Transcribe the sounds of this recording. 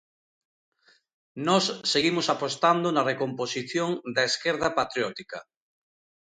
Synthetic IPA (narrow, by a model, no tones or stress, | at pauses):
nɔsːeɣimosapost̪and̪onarekomposiθjoŋd̪aeskeɾðɐpat̪ɾjɔt̪ika